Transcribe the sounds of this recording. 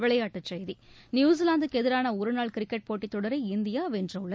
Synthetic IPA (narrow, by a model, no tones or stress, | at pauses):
ʋɪɭɐjaːʈːɯt͡ʃːɛjði | njuːs̬ɪlaːnd̪ɯkɛðɪɾaːnɐʊɾɯnaːɭkɪɾɪkːɛʈ̚poːʈːit̪ːɔɽɐɾɐɪɪnd̪ɪjaːʋɛndrɐʊɭːɐ